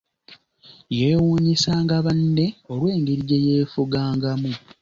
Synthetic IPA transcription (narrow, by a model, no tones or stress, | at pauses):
jeːwuːɲisaːŋɡaβanːe̞olwe̞ːŋɡeɾiɟejeːfuɡaːŋɡamu